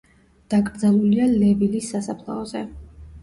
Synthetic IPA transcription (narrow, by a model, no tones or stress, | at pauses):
d̪̥aɡɾd̪zalˠulialɛvilisːasapʰlˠa̰ɔzɛ